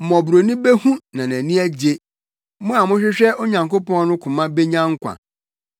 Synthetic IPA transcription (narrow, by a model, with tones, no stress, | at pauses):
mɔ̃˨bɾo˨nĩ˦be˦hũ˦nã˨næ̃˨nĩ˦æ˦d͡ʑe˦ | mʊ̃˦a˨mʊ̃˦ɕᶣɪ˦ɕᶣɛ˦o˦ɲã˨ŋko˦pɔ̃˦nʊ̃˦kʰʊ̃˨mã˦be˦ɲã˦ŋ̩˦kʷʰã̰˨